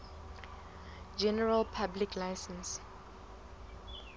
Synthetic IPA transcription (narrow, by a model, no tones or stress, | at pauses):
d͡ʒɛnəɹəlpʰablikʰlaɪsə̃ns